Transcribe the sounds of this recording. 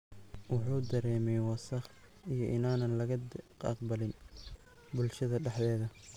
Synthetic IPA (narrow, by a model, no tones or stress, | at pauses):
wɑħuːd̪ɐɾɛːmɛjwɑsɐχijɞʔɪnaːnɐnlɐɣɐɑ̰qbɐlɪn | bʊlʃɐðɐɖɛħd̪ɛːðɐ